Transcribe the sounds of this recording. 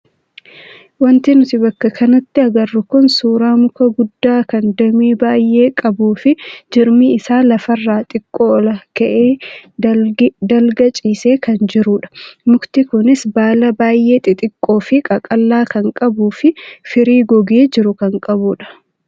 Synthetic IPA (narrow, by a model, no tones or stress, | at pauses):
wɐnt̪ɪnʊt̪ɪbɐkːɐkɐnɐt̪ːɪɐɡɐrːʊkʊnsuːɾaːmʊkɐɡʊd̪ːaːkɐnd̪ɐmiːbaːjːe̞ːkʼɐbuːfɪd͡ʒɪɾmiɪsaːlɐfɐrːaːt̪ʼɪkʼːoːlɐkɐʔeː | d̪ɐlɡɐt͡ʃʼiːse̞ːkɐnd͡ʒɪɾuːᶑɐ̥mʊkt̪ɪkʊnɪsbaːlɐbaːjʔe̞ːt̪ʼɪt̪ʼɪkʼːo̞ːfɪkʼɐkʼɐlːaːkɐŋkʼɐbuːfɪfɪɾiːɡɔɡeːd͡ʒɪɾʊkɐŋkʼɐbuːᶑɐ̥